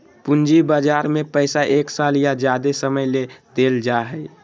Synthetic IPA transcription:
pund͡ʒibad͡ʒaːɾmẽpəɪsaʔeːksaljad͡ʒjad̪esəməjlet̪eːld͡ʒaɦəj

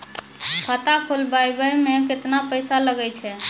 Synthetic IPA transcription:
pʰət̪akʰolbajbəjmeket̪napəjsaləɡɛjt͡ʃʰɛ

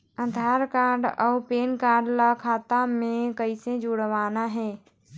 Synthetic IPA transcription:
əd̪ʱaːɾkaːɾɖɔːpeːnkaːɾɖlakʰaːt̪amẽkəɪsẽd͡ʒʊɽʋaːnaɦɛ̃ː

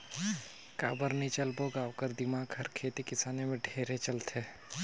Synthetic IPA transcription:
ka̰ːbəɾnit͡ʃəlboɡaːwkəɾd̪ɪmaːɡɦəɾkʰeːt̪ikɪsaːnemẽɖʱeːɾet͡ʃɐlt̪eː

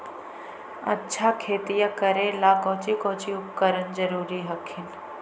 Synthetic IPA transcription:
ɐ̰tːʃʰakʰeːt̪ijakəɾelaːkɔ̃ːt͡ʃikoːt͡ʃiʊpkəɾənd͡ʒəɾuːɾiɦɐkʰːin

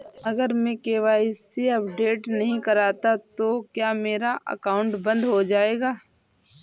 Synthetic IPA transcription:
ɐɡəɾmẽkeːʋaːɪsːeɐpɖeːʈnɐɦĩkɐɾaːt̪at̪okjaːmeːɾaʔə̰kaːʊ̃ɳʈbɐ̃nd̪ɦod͡ʒaːeːɡaː

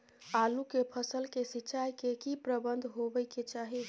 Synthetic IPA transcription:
alukepʰəsəlkesiːt͡ʃajkekipɾəbənd̪ʱɦobəjket͡ʃaɦi

